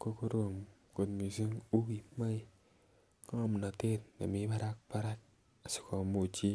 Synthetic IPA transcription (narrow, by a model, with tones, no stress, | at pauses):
ko˦ko˦ɾo˦˨m | ko˨tmi˨si˦ŋu˦ɡi˨ma˦i˦˨ | ka˦m˨na˨te˦˨t̚na̰˨mi˦ba˦ɾa˦k̚pa˦ɾa˦k̚ | a˨si̥˨ko˨mu˨t͡ʃi˦